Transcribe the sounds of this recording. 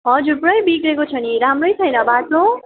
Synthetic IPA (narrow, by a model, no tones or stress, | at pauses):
ɦʌd͡zuɾprʌjbiɡɾekot͡sʰʌniɾamrʌjt͡sʰʌjnʌbatõ